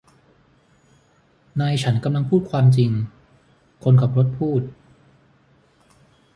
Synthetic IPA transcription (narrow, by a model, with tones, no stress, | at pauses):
naː˧jt͡ɕʰa˦˥nka˧mla˧ŋpʰuː˥˩t̪̚kʰwaː˧mt͡ɕi˧ŋ | kʰo˧nka˨˩p̚ɾo˦˥t̪̚pʰuː˥˩t̪̚